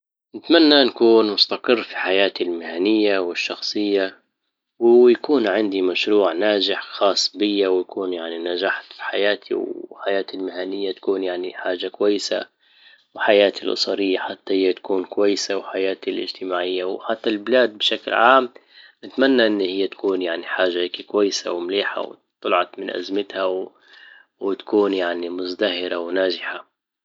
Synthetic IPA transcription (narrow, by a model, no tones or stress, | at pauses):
nɪt̪manːanakuːnmʊst̪aqɨrːfi̥ħajaːt̪ilmɪhanɪjːawɪʃːɑxsˤɨjːa | wɪjakuːnʕɪnd̪imaʃɾuːʕnaːd͡ʒɪħxɑːsˤbɪjːawjakuːnjaʕninad͡ʒaːħat̪fi̥ħajaːt̪ʰḭwħajaːt̪ɪlmɪhanɪjːat̪ḁkuːnjaʕniħaːʒːakwajːɪsa | wɪħajaːt̪ilʔʊ̰sˤɑɾɪjːaħat̪ːahɪjːat̪ḁkuːnkwajːɪsawħajaːt̪ilʔɪ̰d͡ʒt̪ɪmaːʕɪjːawħat̪ːalbɪlaːd̪̚bɪʃaklʕaːm | nɪt̪manːaʔɪnːhɪjːat̪ḁkuːnjaʕniħaːʒːahːkikwajːɪsa̰wmʊliːħa̰w̰t̪ˤːɑlʕɑt̪mɪnʔa̰zmɪt̪haw | wɪt̪ḁkuːnjaʕnimʊzd̪ahɪɾawnaːʒɪħa